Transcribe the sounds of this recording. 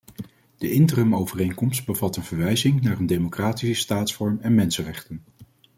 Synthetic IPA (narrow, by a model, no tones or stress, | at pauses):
d̥əʔɪntərəmowvərejŋkɔmst̚bəvɑtənv̥əɹʋɛjzɪŋnaːrəndejmokraːtisəstaːtsfɔɹmɛnmɛnsənrɛχtən